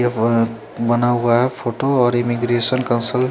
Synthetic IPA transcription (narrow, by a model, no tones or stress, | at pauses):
bʌnawɡapʰoʈoʌɾimiɡɾesʌnkʌnsʌl